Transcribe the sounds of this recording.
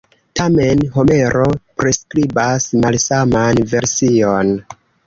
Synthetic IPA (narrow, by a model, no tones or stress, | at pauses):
tame̞nɦo̞me̞ɾo̞pɾeskɾibasmalsamanve̞ɾsio̞n